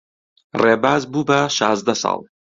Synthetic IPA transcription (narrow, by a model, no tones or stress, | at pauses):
reːbaːzbubɐʃɑːzd̪ɐsɑ̰ːlˠ